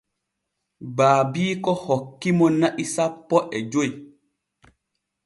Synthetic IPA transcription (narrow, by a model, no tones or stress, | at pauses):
baːbiːkɔhɔkːimɔnaʔisapːɔʔɛd͡ʒoj